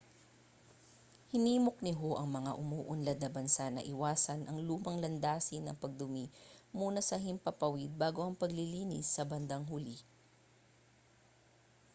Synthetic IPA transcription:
hɪniːmok̚nɪɦo̞ʔɐŋmɐŋaʔʊmuːʔʊnlɐd̪̚nɐbɐnsanɐ̰ʔɪwaːsɐnʔɐŋluːmɐŋlɐnd̪aːsɪnɐ̰ŋpɐɡ̚d̪ʊmimuːnɐsɐɦɪmpɐpɐwid̪̚baːɡo̞ʔɐŋpɐɡlɪliːnɪ̰sːɐbɐnd̪ɐŋɦuli

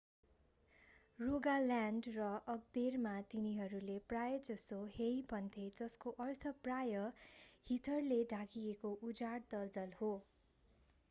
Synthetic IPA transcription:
roɡalanɖrʌʔʌɡ̚d̪ermat̪iniɦʌɾuleprajʌd͡zʌsoɦejpʌnt̪ʰed͡zʌskoʔʌrt̪ʰʌprajʌhit̪ʰʌrleɖʱakiekoʔud͡zaɽd̪ʌld̪ʌlho

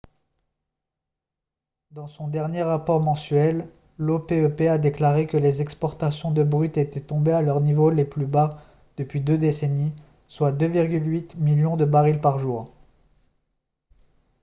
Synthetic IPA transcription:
d̪ɑ̃sɔ̃d̪ɛʁnjeʁapɔʁmɑ̃sɥɛlː | opeøpead̪eklaʁekəlezɛkspɔʁt̪asjɔ̃d̪əbʁyt̪et̪ɛt̪ɔ̃bealœʁnivoleplyba | d̪̥əpɥid̪ød̪eseni | swad̪øviʁɡʲylɥit̪miljɔ̃d̪əbaʁilpaʁʒuːʁ

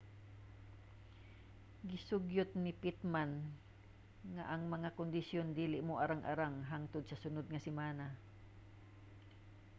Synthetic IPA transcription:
ɡɪsʊɡjʊt̪̚nɪpɪt̪̚man | ŋaʔɐŋmɐŋakʊnd̪ɪsjond̪iːlɪʔmoʔɐɾaŋʔa̰ɾaŋɦaŋt̪ʊd̪̚sɐsʊnod̪̚ŋɐsɪmaːna

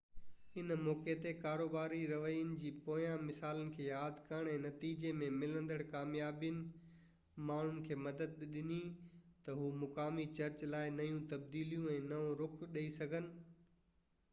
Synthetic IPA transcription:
ɪnmɔːket̪ekaːɾoːbaːɾiɾɐʋəiənɪ̆d͡ʑiːpoːjãmɪsaːlənɪ̆kʰeːjaːd̪ʱkɐɽ̃ɛ̃ːnɐt̪iːd͡ʑemẽmɪlə̃nd̪əɽkaːmjaːbijənɪ̆ | maːɳ̤ʊnɪ̆kʰeːmɐd̪əd̪̚ɗɪni | t̪ɐɦuːmʊkaːmit͡ɕɐɾt͡ɕlaːɪnɐjũt̪ɐbd̪iːlijũɛ̃ːnɐõɾʊkʰɗɐisɐɡʱənɪ̆

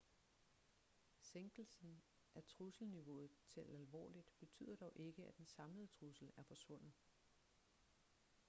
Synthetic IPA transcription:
seŋɡ̥l̩sn̩ | ʔæt͡sʰʁusl̩niʋo̝ð̩ˠt͡sʰe̝lælʋɒ̰ːlid̥b̥e̝t͡sʰy̰ːð̰ˠɐd̥ɒʊʔe̝ɡ̥əæd̥ensɑ̈mləð̩ˠət͡sʰʁusl̩æɐfɒ̽sʋɔ̽n̰ð̩ˠ

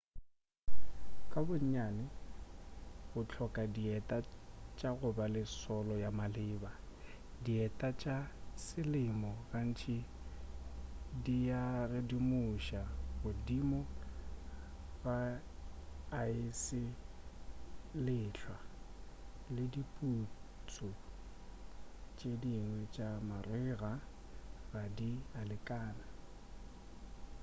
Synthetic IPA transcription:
kʼabʊɲ̩ɲanɪ | bʊt͡ɬʰɔkʼadiɛtʼat͡ʃʼaɣʊbalɪsɔlɔjamalɪːba | diɛtʼat͡ʃʼasɪlɪmɔɣan̩t͡ʃʰi | diarɪdimʊʃabʊdimɔ | ba | ɪsɪ | lɪɬʰwa | lɪdipʼut͡sʼɔ | t͡ʃʼediŋwɛt͡ʃʼamarɪɣa | radialɪkʼaːna

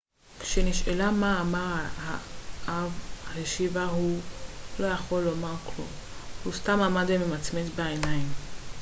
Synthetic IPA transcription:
kʃeniʃelamaːmaʁahaʔavaheʃivaɦulo̞jaχo̞lːo̞maʁklumhustamamadememat͡smet͡sbeenaim

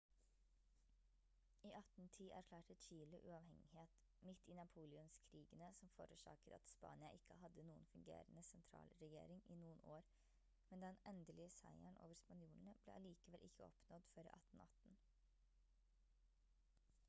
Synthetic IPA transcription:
iːʔɑt̪nt̪ʰiːʔæɾkʰlɑːʈət͡ʃiːlʊʔʉɑʋhɛŋɪheːt̪ | mɪt̪ːiːnɑpʰuːlɪʊnskʰɾiːɡənəsɔmfo̰ːɾʉʂɑ̰ːkət̪ɑ̰t̪spɑ̰ːnɪɑʔɪkːəhɑd̪ənuːənfʉŋɡḛːɾənəsɛnt̪ʰɾɑ̰ːlɾɛjḛːɾɪŋiːnuːənoːɾ | mɛnd̪ɛnɛnd̪əlɪəsæ̰ɪæɳʔo̰ːʋəɾspɑnjuːln̩əb̥lḛːʔɑliːkəʋɛlʔɪkːəɔ̰pnɔd̪føːɾḭːʔɑ̰t̪n̩ɑt̪n̩

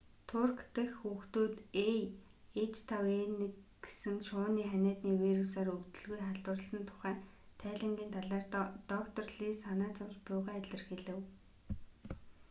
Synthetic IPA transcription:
t̪ʰʊrkt̪ɘ̆xːuːxt̪uːt̪e | et͡ɕʰt̪ʰawenɘ̆kɡe̥sɘ̆ŋʃʊːniːχænʲæːt̪niːwiɾusaːrɵkt̪ɵ̆ɮɣujχaɮt̪wə̆rə̆ɮsə̆nt̪ʰʊ̥χæːt̪ʰæːɮə̆ŋɡiːnt̪ʰaɮaːrt̪ɔkt̪ʰɔ̆rɮiːsanæːt͡sʊmt͡ɕpʊːʁæːæɮʲə̆rxeɮɘ̆w

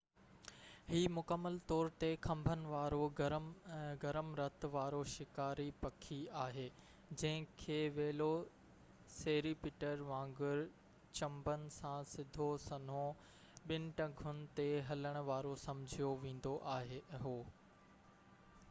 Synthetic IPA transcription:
hiːmʊkəmːəlt̪ɔːɾt̪exʰɐ̃mbʱənɪ̆ʋaːɾoɾɡɐɾəmɾɐt̪ʋaːɾoʃɪkaːɾipɐkʰiaːɦeː | d͡ʑɐ̃ɦɪ̃kʰeːʋeːlo | seːɾipɪʈəɾʋãːŋɡʊɾ | t͡ɕɐ̃mbənɪ̆sãsɪd̪ʱosɐn̤õ | ɓɪnɪ̆ʈɐɡʱʊn̆t̪eɦɐləɽ̃ʊ̆ʋaːɾosɐ̃mʊd͡ʑʱijoʋẽːn̆d̪oʔaːɦeɦoː

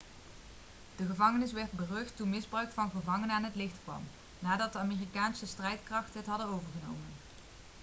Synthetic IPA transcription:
d̥əɣəvɑŋənɪsʋɛɹd̚bərɵxtunmɪzbrœɥkfɑnχəvɑŋənənaːnɦətlɪxtkʋɑ̰m | naːdɑtdəaːmiːrikaːnsəstrɛjtkrɑχtəɦətɦɑdənowvəɹχənowmən

